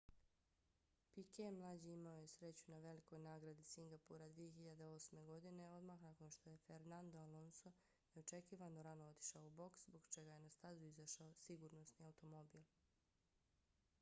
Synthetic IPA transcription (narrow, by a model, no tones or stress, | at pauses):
pikemlˠaːd͡ʑiimaoje̞sɾe̞t͡ɕunaʋe̞liko̞jnaːɡɾad̪isiŋɡapuɾad̪ʋijeçiʎad̪e̞o̞ːsme̞ɡo̞d̪ineo̞d̪maxnako̞nʃt̪oje̞feɾnand̪oalo̞nso | jeot͡ʃekiːʋanoɾanoot̪i̥ʃaoubo̞kszbo̞ɡt͡ʃe̞ɡaje̞nast̪azuizaʃaosiɡuːɾno̞sniawt̪o̞mo̞biːlˠ